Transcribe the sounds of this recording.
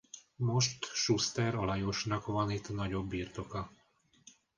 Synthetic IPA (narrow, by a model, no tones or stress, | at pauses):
mo̞ʃt̪ʃust̪ɛɾɒlɒjoʃnɒkʋɒnit̪ːnɒɟo̞bːiːrt̪o̞kɒ